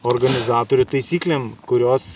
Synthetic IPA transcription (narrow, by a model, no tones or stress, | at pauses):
oɾɡɐnʲɪzɑːt̪oːɾʲʊt̪ɐɪsʲiːklʲeːmkʊɾʲoːs